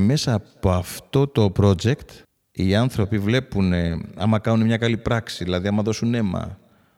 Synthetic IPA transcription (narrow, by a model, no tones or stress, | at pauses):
me̞sɐːppoɐft̪o̞t̪o̞pɾo̞d͡ʒe̞kt̪ | iɐnθɾo̞pivle̞puneɐ̰mɐkɐnunemɲɐkɐlipɾɐksiðilɐðiɐmɐðo̞sune̞mɐ̰